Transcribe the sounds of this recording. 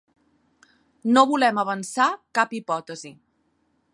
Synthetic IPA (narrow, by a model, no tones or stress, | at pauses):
noβulɛməβ̞ənsakapipɔt̪əzi